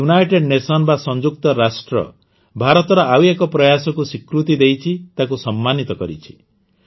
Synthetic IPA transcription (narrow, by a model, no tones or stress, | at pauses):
unajʈeɖnesɔnɔbasɔnd͡ʒuk̚t̪ɔɾasʈɾɔ̰ | bʱaɾɔt̪ɔɾɔʔawekɔpɾɔjasɔkusikɾut̪id̪ejt͡ʃʰit̪akusɔmːanit̪ɔkɔɾit͡ʃʰi̥